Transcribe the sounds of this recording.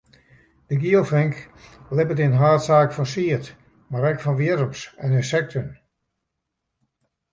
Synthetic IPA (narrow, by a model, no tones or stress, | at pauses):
d̥əɡiəlˠfɪŋklɪpətinɦaːtsaːkfɔnsiət | maɾɛkfɔnʋiəɾəmsɛnensɛk̚tʰən